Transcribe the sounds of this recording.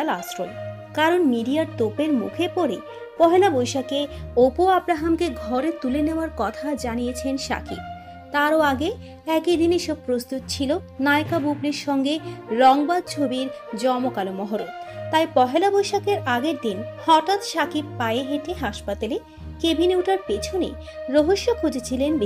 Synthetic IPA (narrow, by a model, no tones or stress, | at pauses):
alasɾo̰l | kaɾonmiɖiaɾt̪opeɾmṵkʰepɔɾe | pɔɦelabojʃakeopoabɾaɦamkeɡʱɔɾet̪uleneoaɾkɔt̪ʰad͡ʑanijet͡ɕʰenʃa̰kʰi | t̪aɾoaɡe | ɛkid̪iniʃob̚pːɾost̪ut̪̚t͡ɕʰilo | naekabubliɾʃɔŋɡeɾɔŋbad̪̚t͡ɕʰobiɾ | d͡ʑɔmokalomɔɦoɾod̪t̪ajpɔɦelabojʃakeɾaɡeɾd̪inhɔʈat̪ʃakiɾpaeeɦeʈeɦaʃpat̪ale | kebʱiniwʈaɾpet͡ɕʰonḛ | ɾoɦoʃːokʰud͡ʑet͡ɕʰilenbi